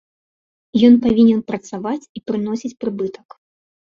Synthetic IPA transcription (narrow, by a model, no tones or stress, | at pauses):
jɔnpavʲinʲɛnpɾɐt̪savat͡sʲipɾɨnɔsʲit͡sʲpɾɨbɨt̪ɐ̥k